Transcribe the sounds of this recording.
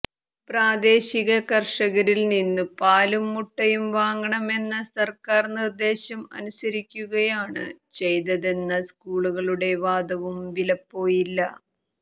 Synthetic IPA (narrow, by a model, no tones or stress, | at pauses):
praːd̪e̞ːɕiɣɐkɐrʂɐɣɐɾilninːɨpaːlumːuʈːɐjumʋaːŋɡɐɳɐme̞nːɐsɐrkaːrnird̪e̞ːɕɐmɐ̰nusɐɾikʲːuɣɐjaːɳɨ̰t͡ɕe̞jt̪ɐðe̞nːɐskuːɭuɣɐɭuɽe̞ʋaːd̪ɐʋumʋilɐpːo̞ːjilːɐ